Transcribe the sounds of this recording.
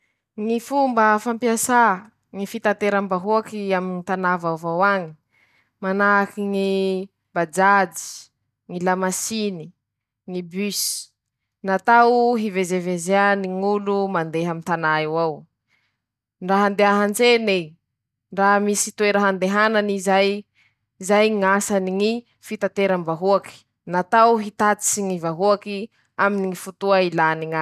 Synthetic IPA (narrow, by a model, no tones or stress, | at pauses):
ŋifumbəfampiasa | ŋifit̪ant̪eɾambaɦuakiaminit̪anavavawaŋi̥ | manaakiŋi | bad͡ʒad͡ʒi̥ | ŋilamasini | ŋibysi̥ | nat̪awɦivezevezeaniŋulumand̪eɦamint̪anaiwaw | ɳraɦand̪eɦaɦand͡zene | ɳramisit̪ueɾaɦand̪eɦananizaj | zajŋasaniŋi | fit̪at̪eɾəmbaɦuaki̥ | nat̪awɦit̪at͡si̥siŋivaɦuaki | aminiŋifut̪uailaniŋa